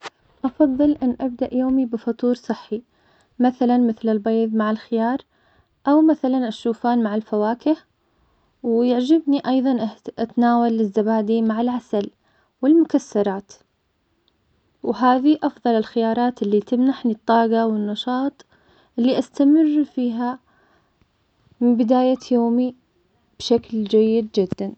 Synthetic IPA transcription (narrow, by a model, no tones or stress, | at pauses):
ʔɑfɑðˤːɨlʔɪnːʔabd̪aʔjoːmibɪfɑt̪ˤuːɾsˤɨħːi | maθalanmɪθlɪlbeːðˤmaʕɪlxɪjɑːɾˤ | ʔawmaθalanʔaʃuːfaːnmaʕɪlfawaːkɪh | wjaʕd͡ʒɪbniʔɑjðˤɑnʔʔat̪naːwalːɪzːabaːd̪imaʕalʕasal | wɪlmʊkasːɑɾˤɑːt̪ | wɦaːðiʔɑfðˤɑlɪlxɪjɑːɾˤɑːt̪ɪlːit̪ɪmnaħnit̪ˤːɑːɡɑwɪnːɑʃɑːt̪ˤ | ʔɪlːiʔast̪amɪrːfiːɦa | mɪbɪd̪aːjajoːmi | b̥ʃakld͡ʒajːɪd̪d͡ʒɪd̪ːan